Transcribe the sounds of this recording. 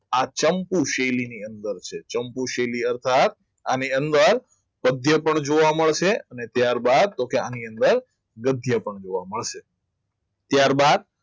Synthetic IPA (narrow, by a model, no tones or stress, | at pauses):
at͡ʃəmpuʃejliniənd̪əɾt͡ʃʰet͡ʃəmpuʃeliəɾt̪ʰat̪̚ | aniənd̪əɾ | pəd̪ʱjəpəɳd͡ʒoʋaməɭʃeənet̪jaɾbad̪̚t̪okeaniənd̪əɾ | ɡəd̪ʱjəpəɳd͡ʒoʋaməɭʃe | t̪jaɾbad̪̚